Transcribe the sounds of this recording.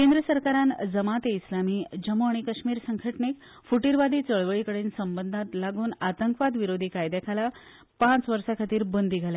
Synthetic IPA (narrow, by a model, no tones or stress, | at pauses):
kend̪ɾəsəɾkaɾand͡zəmat̪eislamiːd͡ʑəmoaɽ̃ikəɕmiːɾsəŋɡʰəʈɳek̚ | fuʈiɾʋad̪ʱiːt͡səɭʋəɭikəɽeːnsəmbənd̪ʱat̪laɡuːnat̪əŋkʋad̪ʋiɾod̪ʱiːkajd̪jakʰala | pãt͡sʋəɾsakʰat̪iːɾbənd̪ʱiɡʱalja